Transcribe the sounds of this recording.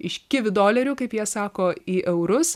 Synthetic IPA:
ɪʃkʲɪʋʲɪd̪oːlʲɛɾʲuːkɐɪpjiɛsɑːkoːiːʔɛʊɾʊs

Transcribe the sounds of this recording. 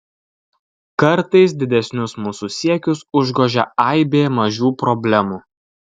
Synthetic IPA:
kɐɾt̪ɐɪsd̪ʲɪd̪ʲɛsʲnʲʊsmuːsuːsʲiɛkʲʊsʊʒɡoːʒʲɛɐɪbʲeːmɐʒʲuːpɾɔbʲlʲɛmuː

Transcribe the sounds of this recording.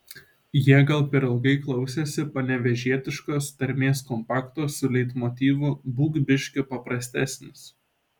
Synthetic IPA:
jiɛɡɐlˠpʲɛɾɪlˠɡɐɪklˠɐʊsʲɛsʲɪpɐnʲɛʋʲɛʒʲiɛt̪ʲɪʃkoːst̪ɐɾʲmʲeːskɔmpɑːkt̪oːsʊlʲɛɪt̪mɔːt̪ʲiːʋʊbuːɡʲbʲɪʃʲkʲʊpɐpɾɐsʲt̪ʲæːsʲnʲɪs

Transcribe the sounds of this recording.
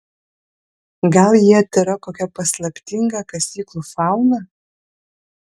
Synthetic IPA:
ɡɐlˠjiɐt̪ʲɪɾɐkoːkʲɛpɐslˠɐpʲt̪ʲɪŋɡɑkɐsʲiːklˠuːfɑˑʊnɐ

